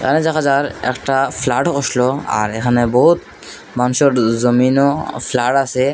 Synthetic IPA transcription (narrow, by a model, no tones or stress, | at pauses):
ḛkʰaned͡ʒakʰad͡ʒaɾɛ̰kʈafʰlaʈkɔʃloa̰ɾekʰanebɔɦut̪̚ | manuʃɔɾzəminoflaʈasʰe